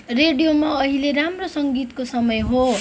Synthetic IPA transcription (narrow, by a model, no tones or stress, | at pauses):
reɖijomaʌɦileɾamrosʌŋɡit̪kosʌmʌjɦo